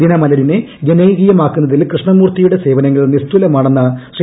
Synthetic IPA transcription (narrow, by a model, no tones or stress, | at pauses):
inɐmɐlɐɾineɡenejɣijɐmaːkːunːɐðilkrɨʂɳɐmuːrt̪ijuɽe̞se̞ːʋɐnɐŋːɐɭlnːist̪ulɐmaːɳenːɐɕri